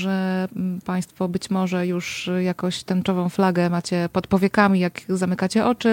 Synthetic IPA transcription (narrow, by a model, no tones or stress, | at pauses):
ʐɛpaj̃st̪fɔbɘt͡ɕmɔʐɛjuʂjakɔ̃w̃ɕt̪ɛnt͡ʂɔvɔ̃w̃flaɡɛmat͡ɕɛpɔt̪pɔvʲjɛkamʲijakzamɘkat͡ɕɛʔɔt͡ʂɘ